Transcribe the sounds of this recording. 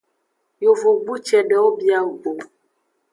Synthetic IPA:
jo˨vo˨ɡ͡bu˦t͡ʃɛ˨ɖɛ˨wo˦bi˦a˦wo˨ɡ͡bo˨

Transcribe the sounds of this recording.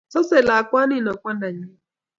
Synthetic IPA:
sɔ˦se˨la˨a˨kʷa˦ni˦˨no˨kʷa˦na˨ɲɪ˦

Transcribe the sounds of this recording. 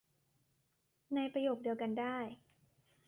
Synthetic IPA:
na˧jpɾa˧joː˨˩k̚di˧əwka˧ndaː˥˩j

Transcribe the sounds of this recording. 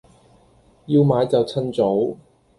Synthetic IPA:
jiː˧wmaː˨˧jt͡sɐ˨wt͡sʰɐ˥nt͡so˨˥w

